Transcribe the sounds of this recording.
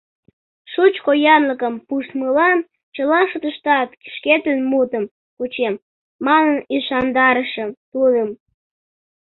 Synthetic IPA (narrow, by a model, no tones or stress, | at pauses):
ʃut͡ɕkojɑnləkəmpuʃt̪məlɑn | t͡ɕəlɑʃut̪əʃt̪ɑt̪ki̥ʃket̪ənmut̪əm | kut͡ɕemː | ɑnəniʃɑnd̪ɑɾəʃə̆t̪ud̪əm